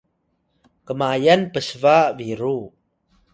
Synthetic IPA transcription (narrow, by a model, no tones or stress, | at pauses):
kəmajanpəsəvaʔviɾu